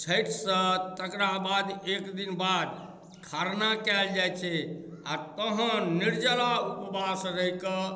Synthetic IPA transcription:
t͡ʃʰəjʈʰsə̃t̪əkɾabad̪ekd̪inbad̪ | kʰaɾnakɛld͡ʒajt͡ʃʰɛ | a̰t̪əɦə̃niɾd͡ʒəlaupbasɾəɦikə

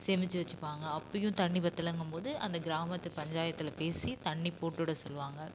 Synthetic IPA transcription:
seːmɪt͡ʃːɯʋɐt͡ʃːɯpːaːŋɡɐɐpːɐjʊ̃t̪ɐɳːipɐt̪ːɪlɐŋɡɯmpoːðɯɐ̰nd̪ɐɡɪɾaːmɐt̪ːɯpɐɲd͡ʒaːjɐt̪ːɪlɐpeːsit̪ɐɳːipoːʈːuːɽɐsɔlːʋaːŋɡɐ

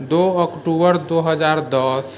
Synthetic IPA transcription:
d̪oːɔkʈuːbəɾd̪oːɦəzaːɾd̪əs

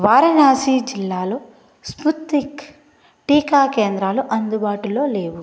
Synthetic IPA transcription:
ʋaːɾɐnaːsiːd͡ʒilːaːloː | sput̪ːik | ʈiːkaːkeːnd̪ɾaːluʔɐnd̪ubaːʈulo̞ːle̞ːwu

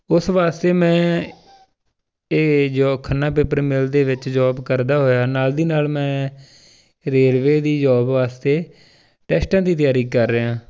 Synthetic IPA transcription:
ʊsʋaːst̪eːmɛ̃ː | d͡ʒɔːkʰənːãːpeːpəɾmɪld̪eːʋɪt͡ʃd͡ʒɔːbkəɾd̪aːɦoːjaːnaːld̪iːnaːlmɛ̃ː | ɾeːlʋeːd̪iːd͡ʒɔːbʋaːst̪eː | ʈɛːsʈãːd̪iːt̪ɪjaːɾiːkəɾːəɦãː

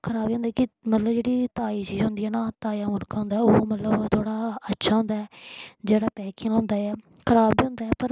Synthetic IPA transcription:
kʰəɾaːbiːʊ̃nd̪aːkɪmət̪ləbd͡ʒeːɽiːt̪aːiːt͡ʃiːzɦʊ̃nd̪iːɛːnaːt̪aːijãːmʊɾkaːɦʊ̃nd̪aːɛoːmət̪ləbt̪ʰoːɽaːətːʃʰaːɦʊ̃nd̪aːɛːd͡ʒeːɽaːpɛːkɪ̃lõːnd̪aːɛː | kʰəɾaːbiːɦʊ̃nd̪aːɛːpəɾ

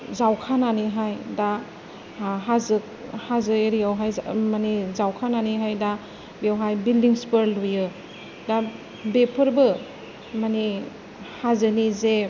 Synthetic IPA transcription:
zawkʰananiɦajda | ɦazɯk̚ | hazɯeɾijawɦajmanizawkʰananiɦajda | bijawɦajbildiŋspəɾlujɯ | da | bepʰəɾbɯ | mani | hazɯnize

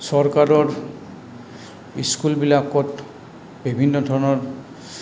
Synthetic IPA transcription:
sɔɹkaɾɔɹ | iskulbilakɔt | bibʱinːɔdʱɔɹnɔɹ

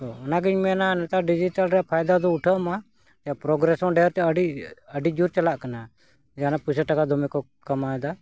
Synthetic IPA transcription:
t̪ɔɔnaɡiɲmɛnanɛt̪aɖid͡ʒiʈalɾɛaʔpʰajd̪ad̪ɔuʈʰəʔma | d͡ʒapɾɔɡɾɛsɔ̃ɖɛɾt͡ʃɔəɖiəɖid͡ʒuɾt͡ʃalaʔkana | d͡ʒanapusəʈakad̪ɔmɛkɔ | kamaɛd̪a

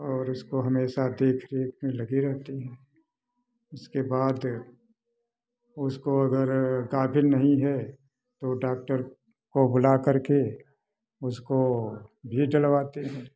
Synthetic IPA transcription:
ɔːɾʊskoɦɐmeːʃad̪eːkʰɾeːkmẽlɐɡiɾɛɦt̪iɦɛ̃ː | ʊskebaːd̪ | ʊskoɐɡəɾɡaːbʱɪlnɐɦĩɦɛ | t̪oɖaːk̚ʈəɾ | kobʊlakɐɾke | ʊskobʱiɖɐlʋaːt̪iɦɛ̃ː

